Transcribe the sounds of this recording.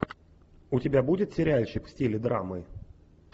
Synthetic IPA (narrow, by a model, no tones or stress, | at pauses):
ʊtʲɪbʲabudʲɪt̪sʲɪɾʲalʲɕɪkfsʲtʲilʲɪd̪ɾa̰mɨ